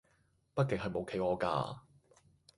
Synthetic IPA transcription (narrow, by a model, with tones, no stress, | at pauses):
pɐ˥t̚kɪ˨ŋɦɐ˨jmo˨˧wkʰe˨˧jɔː˨˧ka̰ː˧